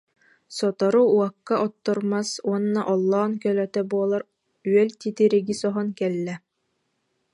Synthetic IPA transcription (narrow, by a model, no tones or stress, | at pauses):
sɔt̪ɔɾuuɑkːaʔɔt̪ːɔɾmasuɔnːaʔɔlˠːaːnkœlœt̪œbuɔlˠaɾ | yœlt̪it̪iɾiɡisɔɦɔnkɛlːɛ